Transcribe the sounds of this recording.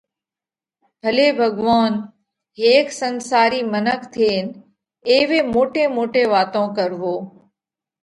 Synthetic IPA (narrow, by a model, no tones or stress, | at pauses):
bʱəleːbʱəɠʋaːn | ɦeːksənsaːɾiːmənəkʰt̪ʰeːn | eːʋeːmoːʈẽːmoːʈeːʋaːt̪õkəɾʋoː